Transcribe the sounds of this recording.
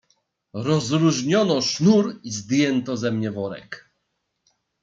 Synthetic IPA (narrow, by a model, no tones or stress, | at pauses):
ɾɔzɾuʐɲɔnɔʂnuɾizd̪jɛnt̪ɔzɛmɲɛvɔɾɛ̰k